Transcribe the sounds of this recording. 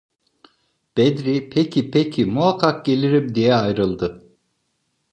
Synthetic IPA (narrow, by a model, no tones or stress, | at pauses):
b̥ed̪ɾipʰecʰipʰecʰimuakʰːɑk̚ɟe̞lʲiɾip̚d̪ijɛajɾɯlˠd̪ɯ